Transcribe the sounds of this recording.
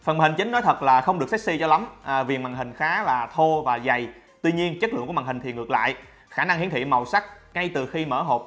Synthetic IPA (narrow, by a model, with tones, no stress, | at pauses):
fə˨˩nm˨˩˨i˨˩ŋ̟t͡ɕï˨˦ŋ̟nɔ˨˦t̪ʰə˨˩t̚laː˨˩xə˧wŋ͡mɗɨ˨˩ək̚sk̚si˧t͡ɕɔ˧la˨˦mː˨˩vi˨˩ənmaː˨˩ŋhï˨˩ŋ̟xaː˨˦laː˨˩t̪ʰo˧vaː˨˩za˨˩j | t̪wi˧ɲi˧ənt͡ɕə˦˥t̚lɨ̰˧˨ŋkmaː˨˩hï˨˩ŋ̟t̪i˨˩ŋɨ˨˩ək̚la̰ː˧˨jʔ | xaː˧˩na˧ŋhi˨˦ənt̪ḭ˧˨ma˨˩wsa˦˥k̚ | ŋa˧jt̪ɨ˨˩xi˧mə̰ː˧˩ɦo˨˩p̚